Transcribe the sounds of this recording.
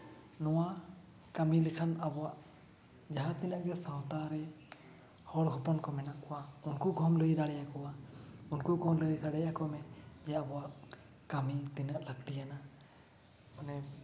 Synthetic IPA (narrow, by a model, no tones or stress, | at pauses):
nɔwa | kamilɛkʰanabɔwaʔ | d͡ʒaɦat̪inaʔ̚ɡɛsawtaɾɛ | hɔɽɦɔpɔnkɔmɛnakɔwaunkuɡʱɔmləjidaɽɛjakɔwaunkuɡʱɔmləjdaɽɛjakɔmɛd͡ʒɛabɔwaʔ | kamitinaʔlaɡ̚tijana | manɛ